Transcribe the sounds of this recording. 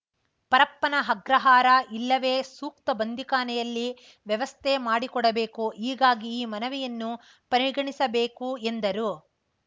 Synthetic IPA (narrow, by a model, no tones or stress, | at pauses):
pɐɾɐpːɐnɐɦɐɡɾɐɦaːɾɐʔilːɐʋe̞ːsuːkt̪ɐbɐnd̪ʱikaːnɛjɐlːi | ʋjɐʋɐst̪ʰemaːɽikɔɽɐbe̞ːkuʔiːɡaːɡiːmɐnɐʋijɐnːu | pɐɾiɡɐɳisɐbeːkuend̪ɐɾu